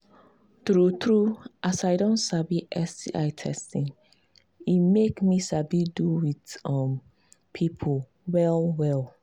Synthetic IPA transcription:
tɾutʰɾuʔasaɪdõnsabiʔɛsiʔa̰ɪtʰɛ̰stĩŋ | imekmisabiduwitʌm | pʰipʰo | wɛlwɛl

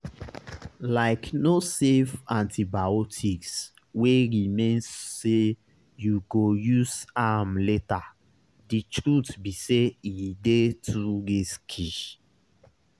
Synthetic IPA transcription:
laɪknosevãntʰibaotʰiks | weɹimẽnsːe | juɡojusamleta | ditɹutbiseidetʰuɾiskʰiʃ

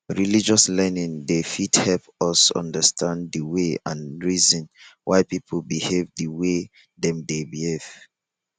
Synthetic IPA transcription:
ɹilid͡ʒɔslɛnĩndefithɛlpɔsɔ̰̃ndəstʰãnddəweãnɹizɔ̃nwʔaɪpipʰolbihevdəwe | dɛ̃mdebihev̥

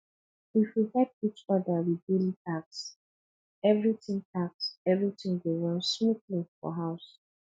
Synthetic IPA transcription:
ifwihɛt̚it͡ʃɔdəwibilitʰaks | ɛvɹitĩŋtʰaksɛvɹitɪ̃ŋwuɹɔ̃nsmutlĩfɔ̰ɦaʊs

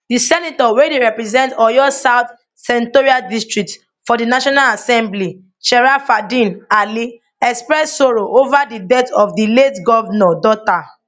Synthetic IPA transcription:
disɛnitɔwedeɹɛpɹɛzɛ̃ntɔjɔsaʊt̪ | sɛ̃ntoɹiadistɹik̚t | fɔdinaʃɔnalasɛ̃mbli | ʃɛɹafadĩnali | ɛkspɹɛsːoɹoʔovadidɛtɔfdiletɡɔvnɔdɔta

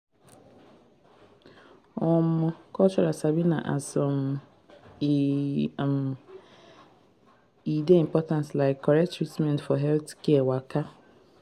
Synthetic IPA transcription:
ɔmɔkɔt͡ʃɔɾasabina̰ʔa̰sɔm | m | ideĩmpɔtãnslaɪkʰːɔɾɛk̚tːɹitmɛ̃ntfɔɦɛltkɛwaka

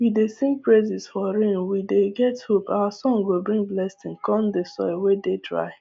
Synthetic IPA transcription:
widesĩmk̚pɹezɪzfɔɾẽnwideɡɛthopawasɔ̃ŋɡobɹĩŋblɛstɪ̃ŋkɔ̃ndesɔ̰wededɹa̰ɪ

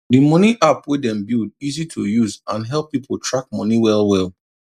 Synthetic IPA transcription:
dimɔniʔapwedɛ̃mbild̚izitʰujuzãnɦɛlˠpːipʰol̩ˠtʰɹak̚mɔniwɛlˠwɛlˠ

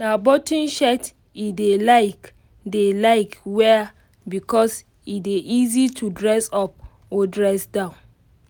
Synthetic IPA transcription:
nabɔtĩnʃɛt | idelaɪk | delaɪkwɛ | bikɔs | ideʔizitʰudɹɛsɔp̚ | odɹɛsdãʊ̃n

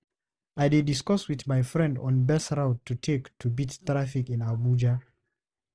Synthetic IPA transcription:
ajdediskɔswiðmajfɹɛ̃ndɔ̰̃nbɛsɹaʊttʰːutʰektʰubittɹafikĩnabud͡ʒa

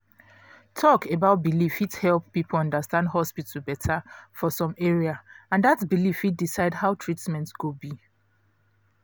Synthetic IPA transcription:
tʰɔkebaʊt̚bilifithɛlˠpːipʰl̩ɔ̃ndəstãndɦɔspitʰl̩bɛtʰafɔsɔ̃meɹiaãndatbilifit̚disaɪdhaʊtʰɹitmɛ̃ntɡobi

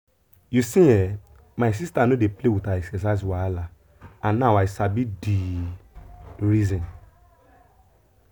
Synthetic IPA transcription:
jusĩɛ | mas̬istanodeplewitaɛksɛs̬aswaala | ãnnawajsabidi | ɾizĩn

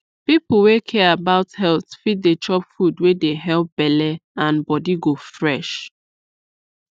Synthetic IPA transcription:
pipl̩wekʰɛabaʊthɛlθfit̚det͡ʃɔpfudwedeɦɛlp̚bɛlɛãnbɔdiɡofɹɛʃ

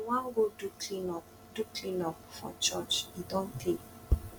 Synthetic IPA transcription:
wãŋ̩ɡoduklinɔp | duklĩnɔpfɔ̰̃t͡ʃɔt͡ʃidɔ̃n̩te

